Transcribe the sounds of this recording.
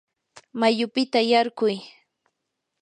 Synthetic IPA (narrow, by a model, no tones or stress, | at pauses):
majʊpɪt̪ajaɾɢʊj